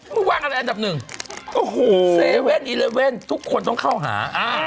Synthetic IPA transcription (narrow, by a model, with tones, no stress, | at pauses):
mɯː˥˩waː˥˩ŋʔa˧ɾa˧˥jʔa˧nda˨˩p̚nɯ˨˩ŋʔo˧˩hoː˩˨˩se˧we˥˩nʔiː˧le˧we˥˩nt̪ʰu˦˥kʰːo˧nt̪ɔ˥˩ŋkʰa˥˩wɦa̰ː˩˦ʔaː˧˩